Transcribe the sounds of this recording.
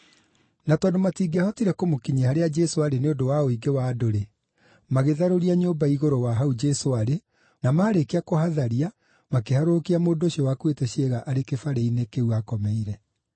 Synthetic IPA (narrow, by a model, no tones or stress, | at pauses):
natɔːndomatiːɡeahɔtiɾɛkomokiɲehaɾead͡ʒɛsoaɾeneodowaoiɡewaːdoɾe | maɣeðaɾoɾiaɲombaiɣoɾowaɦaud͡ʒɛsoaɾe | namaːɾekeakohaðaɾia | makehaɾokiamoːndoɕiɔwakwetɛɕeɣaʔaɾekefaɾeinekeuakɔmɛiɾɛ